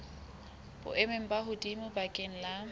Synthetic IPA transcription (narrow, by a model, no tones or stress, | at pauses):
b̥ʊ̰ʔɛmeŋ̩baɦʊdimʊbakʼɪŋ̩la